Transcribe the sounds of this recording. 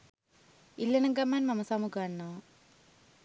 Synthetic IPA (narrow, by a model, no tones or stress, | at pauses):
ilːɐnɐŋɡɐmːaːnmɐmɐsamuɡaɳːo